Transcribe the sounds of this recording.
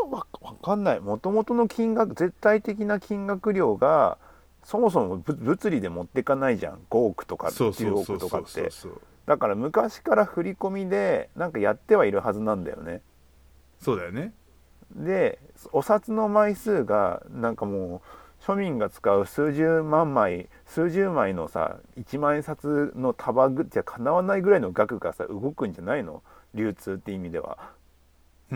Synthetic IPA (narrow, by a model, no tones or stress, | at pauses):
βaβakãnːaimo̞t̪o̞mo̞t̪ono̞kʲĩŋɡakɯ̟d͡ze̞t̪ːait̪e̞kʲinakʲĩŋɡakɯ̟ɾʲo̞ːɡa̰ | so̞mo̞s̬o̞mobɯbɯ̟t͡sɨɾʲid̪e̞mo̞t̪ːe̞kanaiʑã̰ŋɡo̞ːkɯ̟̥t̪o̞ka̰oːɯt̪o̞ka̰t̪ːe̞̰o̰ | d̪akaɾamɯ̟kaɕi̥kaɾaɸɯ̟ɾʲiko̞mʲid̪e̞nãŋkajat̪ːe̞βaiɾɯ̟ɦazɨnãnd̪a̰jo̞̰ne̞̰ | soːd̪ajone | d̪e̞so̞sat͡sɨno̞maisɨːɡa̰nãŋkamo̞ːɕo̞mʲĩŋɡat͡sɨ̥kaɯ̟sɨːʑɨːmãmːai | sɨːʑɨːmaino̞sa̰it͡ɕimãẽsat͡sɨno̞t̪ʰabaɡɯakʰanaβanaiɡɯ̟ɾainoɡakɯ̟ɡasa̰ʔɯ̟ɡo̞kɯ̟̃ɲ̟d͡ʑanaino̞̰ | ɾʲɨːt͡sɨːt̪ːeimʲid̪e̞βa̰